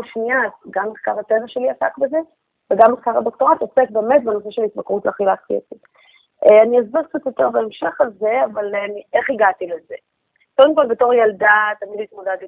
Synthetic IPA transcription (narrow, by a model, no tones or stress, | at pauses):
ʃniatɡamːeχkaʁhatevaʃe̞liasa̰kbeze̞ | veɡamːeχkaʁhad̪o̞kto̞ʁat̪osek̚beːmet̚benos̬eʃelitbakʁutleχilatkḭḛtit | eaniazbakt͡sat̪jo̞t̪eʁbeemʃe̞χalze̞avalniʔeχiɡat̪ileze | kod̪emko̞lbeto̞ʁjaldat̪amidlit̪modad